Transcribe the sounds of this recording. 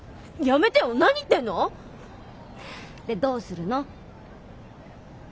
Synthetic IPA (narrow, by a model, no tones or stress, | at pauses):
jame̞t̪ejonaɲ̟it̪ːe̞nːo̞ | d̪e̞d̪o̞ːsɨɾɯ̟no